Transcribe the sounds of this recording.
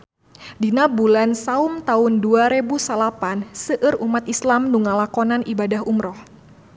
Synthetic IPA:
dinabulansaumt̪aʊnduaɾebusalapansəʔɨrumat̪islamnuŋalakɔnanʔibadaɦumɾɔh

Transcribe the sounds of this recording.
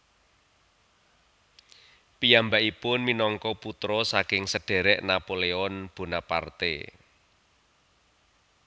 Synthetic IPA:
pijambaʔipʊnminɔŋkɔput̪ɾɔsakɪŋsəɖ̥e̤ɾɛʔnapoleɔnb̥o̤napa̰rt̪ḛ

